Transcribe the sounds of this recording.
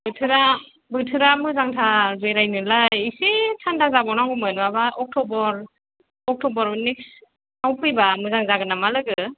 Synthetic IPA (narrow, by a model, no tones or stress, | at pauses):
bɯtʰɯɾa | bɯtʰɯɾamɯzaŋtʰabeɾajnɯlajisetʰandʰazabɔnaŋɡumɯnɯabaʔɔk̚tʰɔbɔɾ | ɔk̚tʰɔbɔɾbɯnik | awpʰɯjbamɯzaŋzaɡɯnamalɯɡɯ